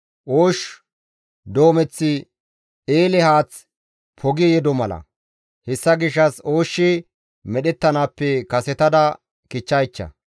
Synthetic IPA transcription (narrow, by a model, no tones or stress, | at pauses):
ʔoːʃ | d̪o̞ːmɛt͡sːɪ | eːlɛhaːt͡s | pʰɔɡɪjɛd̪ɔmɐlɐ̰ | hɛsːɐɡɪʃ̬ːɐsoːʃːɪ | mɛɗɛt̪ːɐnaːpːɛkɐsɛt̪ɐd̪ɐ | kɪt͡ʃːɐjt͡ʃːɐ̰